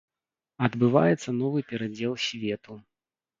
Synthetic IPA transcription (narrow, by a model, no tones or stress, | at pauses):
ɐd̪bɨva̰jɛt̪sːɐnɔvɨpʲɛɾad͡zʲɛlˠsʲvʲɛt̪u